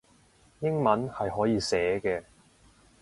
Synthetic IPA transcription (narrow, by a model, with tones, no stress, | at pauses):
jɪ˥ŋmɐ˨˥nhɐ˨jɦɔː˨˥jiː˨˧sɛː˨˥kɛː˧